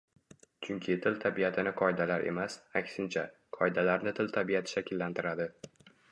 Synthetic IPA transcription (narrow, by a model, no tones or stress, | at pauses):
t͡ʃʰʊŋkʲʰɪt̪ʰɪlt̪ʰabijat̪ʰɪnɪqʰɒjd̪alaɾʔe̞̰masakʲsɪnt͡ʃʰa | qʰɒjd̪alaɾnɪt̪ʰɪlt̪ʰabijat̪ʰɪ̥ʃakʲʰɪlːant̪ʰɪɾad̪ɪ